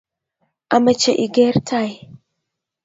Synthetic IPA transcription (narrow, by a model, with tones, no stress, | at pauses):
a˨mə˨t͡ʃe˨ʔi˨ɡe˦ɾtʰa˨j